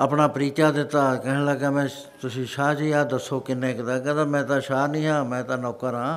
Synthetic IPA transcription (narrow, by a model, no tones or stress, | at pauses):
əpnaːpɾiːt͡ʃaːd̪ɪt̪ːaːkɛɦləɡaːmɛ̃ː | t̪ʊsĩːʃaːd͡ʒiːaːd̪əsːoːkɪnːẽːkt̪aːkɛ̃t̪ãːmɛ̃ːt̪ãːʃaːnĩːɦãːmɛ̃ːt̪ãːnɔːkəɾãː